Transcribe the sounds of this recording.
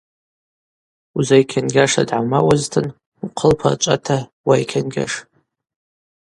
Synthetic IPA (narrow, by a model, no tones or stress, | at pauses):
uzajkʲʰanɡʲaʂa̰dʕamawaztʰɨn | uqʰəlpʰat͡ʃʷʼa̰tʰawajkʲʰanɡʲa̰ʂ